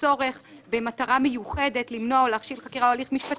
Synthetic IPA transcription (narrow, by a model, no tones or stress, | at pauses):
o̞ʁe̞χbe̞mataʁamejuχe̞de̞tlimno̞leaχʃilχakiʁaoaliχmiʃpat